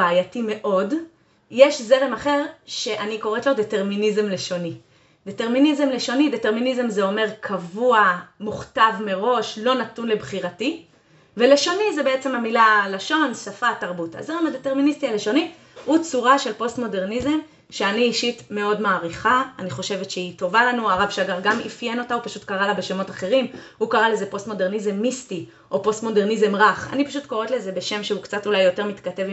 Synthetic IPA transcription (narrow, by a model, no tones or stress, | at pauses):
aːjatime̞ʔo̞d | jeʃze̞ʁemaχe̞ʁʃe̞ʔaniko̞ʁetlodete̞ʁminizemle̞ʃo̞ni | d̥eteʁminizemleʃo̞nideteʁminizemzeo̞me̞ʁkʰavuamuχtavme̞ʁo̞ʃlo̞natunle̞bχiʁati | ve̞le̞ʃo̞nizebeet͡se̞mhamilalaʃo̞nsafataʁbuta̰zeʁemadete̞ʁministialeʃo̞ni | hut͡suʁaʃe̞lpo̞stmo̞de̞ʁnizem | ʃeaniːʃitme̞o̞dmaːʁiχaaniχo̞ʃe̞vetʃeito̞valanuaʁavʃaɡaʁɡamḭfjeno̞taupaʃutkaʁalabe̞ʃemo̞taχe̞ʁimhukaʁale̞zepo̞stmo̞de̞ʁnizemːisti | ʔo̞po̞st̪mo̞de̞ʁnizemʁaχa̰nipaʃutko̞ʁetleze̞be̞ʃe̞mʃeukt͡satulajːo̞te̞ʁmitkate̞v